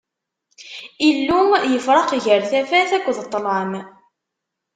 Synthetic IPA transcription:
ilːujəfɾˤɑqʝəɾθæfæθækʷːðət̪ˤːlɑm

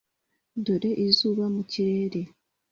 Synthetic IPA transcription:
doɾeʔizuːβamuciɾe̞ːɾe̞

